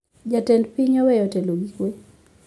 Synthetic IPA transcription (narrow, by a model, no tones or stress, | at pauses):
d͡ʒatɛndpiɲɔwɛjɔtɛloɡikwe